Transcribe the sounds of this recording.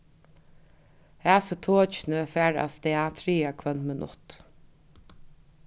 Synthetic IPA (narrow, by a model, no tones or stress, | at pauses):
hæːsət̪ʰoːt͡ʃɪnəfæːɹa̰st̪ɛat̪ʰɾiːakʰvœnmənʔʊ̰t̪